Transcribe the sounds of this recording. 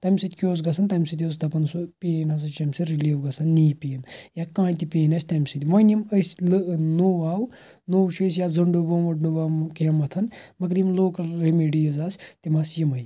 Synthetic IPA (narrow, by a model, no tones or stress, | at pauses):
t̪ɐmʲsit̪ʲkʲoːz̬ɡɐsʰɐnt̪ɐmʲsit̪ʲjoːz̬d̪ɐpɐnsupiːnɐs̬ɐt͡ʃɐmʲsiɾiliwɡɐsʰɐnːiːpiːnjakãːjt̪ipeːnɐsʲt̪ɐmʲsit̪iʋɐniməsʲlɨnoːwaːw | nowt͡ʃʰɐs̬jazɐɳɖubomɐɖnubɐmkjɐmɐt̪ʰɐnmɐk̬ɾimloːkɾemeɖijɐzaːst̪imɐsjimɐj